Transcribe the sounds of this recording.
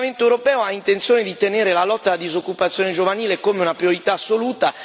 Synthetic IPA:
ment̪oɛwɾopɛːoaint̪ent̪sjoːned̪it̪eneːɾelalɔt̪ːalːad̪izokːupat̪sːjoːned͡ʒovaniːlekomeunapɾioɾit̪aːsːoluːt̪a

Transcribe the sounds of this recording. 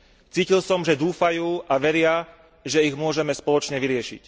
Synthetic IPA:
t͡siːcilsɔmʒɛd̪uːfajuːʔaʋɛɾɪa | ʒɛiɣmʊɔʒɛmɛspɔlɔt͡ʃɲɛʋiɾɪɛʃḭc

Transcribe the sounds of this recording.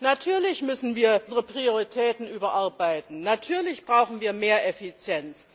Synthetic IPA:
natʰyːɐlɪçmʏsn̩viːɐzəʁəpʁ̥ioʁitʰɛːtn̩ʔyːbɐʔaɐbaɪtn̩natʰyːɐlɪçb̥ʁaʊxn̩viːɐmeːɐʔɛfit͡sjɛnt͡s

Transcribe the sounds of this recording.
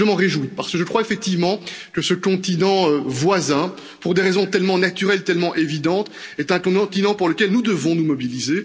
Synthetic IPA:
əmɑ̃ʁeʒwipaʁsə̥kəʒəkχwaefɛk̚t̪ivmɑ̃kəsəkɔ̃t̪inɑ̃øvwazɛ̃ | puʁd̪eʁezɔ̃t̪ɛlmɑ̃nat̪yʁɛlt̪ɛlmɑ̃ʔevid̪ɑ̃t̪ɛt̪ɛ̃kɔ̃t̪inɑ̃puʁləkʲɛlnud̪əvɔ̃numɔbilize

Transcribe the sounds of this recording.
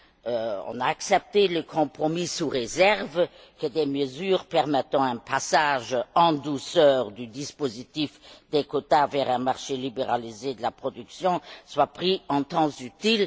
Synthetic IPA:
øɔ̰̃naːksɛp̚t̪eləkʰɔ̃pχɔmisuʁezɛʁv | kəd̪eməzyːʁpɛʁmɛt̪ɑ̃ɛ̃pʰasaːʒɑ̃d̪usœːʁd̪yd̪ispozit̪ifd̪ekot̪avɛʁɛ̃maʁʃelibeʁalized̪əlapχɔd̪yksjɔ̃swapχiɑ̃t̪ɑ̃zyt̪il

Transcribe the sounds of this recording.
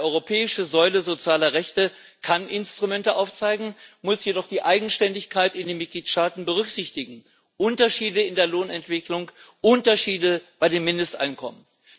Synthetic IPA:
ʔɔʏʁopʰɛːɪʃəzɔʏləzot͡sjaːlɐʁɛçtə | kʰanʔɪnstʁ̥umɛntəʔaʊft͡saɪɡŋ̩mʊsjedɔχd̥iːʔaɪɡŋ̩ʃtɛndɪçkʰaɪtɪndeːnmɪt̚ɡ̥liːtʃtaːtn̩bəʁ̞ʏkz̥ɪçtɪɡŋ̩ | ʔʊntɐʃiːdəɪndeːɐloːnɛntv̥ɪklʊŋʔʊntɐʃiːdəb̥aɪdeːmːɪndəstʔa̰ɪnkʰɔmən

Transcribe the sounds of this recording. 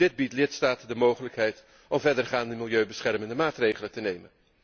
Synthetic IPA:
dɪd̚bitlɪtstaːtəndəmowχələkɦɛjt | ʔɔmvɛɹdərχaːndəmɪlˠjøɥbəsχɛrməndəmaːtrejχələtənejmən

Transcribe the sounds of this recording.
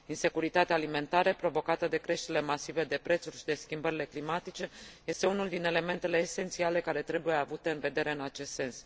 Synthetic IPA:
inse̞kuɾit̪at̪eaːlime̞nt̪aɾəpɾo̞vo̞kat̪əd̪e̞kɾe̞ʃt̪eɾile̞masive̞d̪e̞pɾe̞t̪surʲʃid̪e̞skʲimbəɾile̞klimat̪it͡ʃe̞je̞st̪e̞unuld̪ine̞le̞me̞nt̪e̞le̞ːse̞nt̪siale̞kaɾe̞t̪ɾe̞buje̞avut̪e̞ɨnve̞d̪e̞ɾe̞ɨnat͡ʃe̞st̪se̞ns

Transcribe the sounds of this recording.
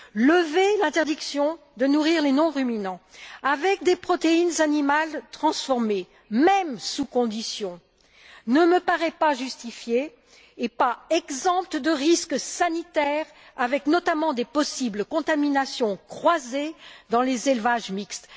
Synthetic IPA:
ləvelɛ̃t̪ɛʁd̪iksjɔ̃ | d̪ənuʁiʁlenɔ̃ʁyminɑ̃avɛk̚d̪epχɔt̪einzanimalt̪χɑ̃sfɔʁme | mɛmsukɔ̃d̪isjɔ̃ | nəməpaʁɛpaʒyst̪ifjeː | paɛɡzɑ̃pt̪əd̪əʁisksanit̪ɛʁ | avɛknɔt̪amɑ̃d̪epɔsiblkɔ̃t̪aminasjɔ̃kχwazed̪ɑ̃lezelvaʒmikst̪

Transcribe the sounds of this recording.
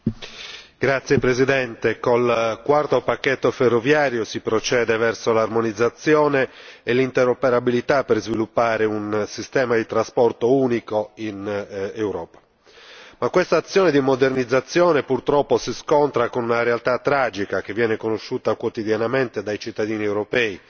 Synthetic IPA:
ɡɾat̪sːjepɾezid̪ɛnt̪ekolkwart̪opakːet̪ːoferːovjaːɾjosipɾot͡ʃɛːd̪evɛrsolarmonid̪zːat̪sːjɔːneːlint̪eɾopeɾabilit̪apːerzvilupːaːɾeunsist̪ɛːmad̪it̪ɾaspɔrt̪ouːnikoinewɾɔːpḁ | makːwest̪aːt̪sːjɔːned̪imod̪ernid̪zːat̪sːjɔːnepurt̪ɾɔpːosiskɔnt̪ɾakonunaɾealt̪at̪ːɾad͡ʒikak̟evːjɛːnekonoʃːuːt̪akwot̪id̪janament̪ed̪ajt͡ʃit̪ːad̪iːniewɾopɛːi

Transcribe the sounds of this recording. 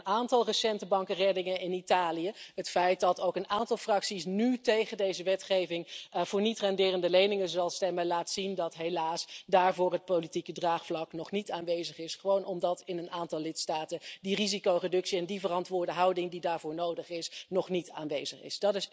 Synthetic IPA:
naːntɑlˠrəsɛntəbɑŋkərɛdɪŋəɪnitaːlijəɦətfɛjt̚dɑtowkənaːntɑlˠfrɑksisnytejχəndejzəʋɛtχejvɪŋv̥ʊːɹnitrɑndɪːrəndəlejnɪŋəzɑlˠstɛməlaːtsindɑtɦejlaːsdaːɹvʊːrɦət̚powlitikədraːχflɑknɔχnitaːnʋejzəχɪsχəʋownʔɔmdɑtɪnənaːntɑlˠlɪtstaːtədirizikowredɵksiɛndivərɑntʋʊːɹdəɦɑwdɪŋdidaːɹvʊːɹnowdəχɪsnɔχnita̰ːnʋejzəχɪ̰sd̥ɑtɪs

